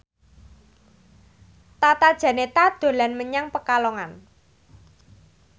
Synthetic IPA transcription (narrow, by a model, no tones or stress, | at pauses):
t̪at̪ad̥ʒ̥ä̤net̪ad̪̥o̤lanməɲaŋpəkalɔŋan